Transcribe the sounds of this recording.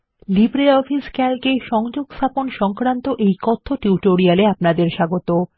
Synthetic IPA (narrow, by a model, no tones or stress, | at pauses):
libɾeɔfiskɛlkeʃɔŋd͡ʑoɡst̪ʰaponʃɔŋkɾant̪oʔejkɔt̪ʰːoʈuwʈoɾialeapnad̪eɾʃaɡot̪o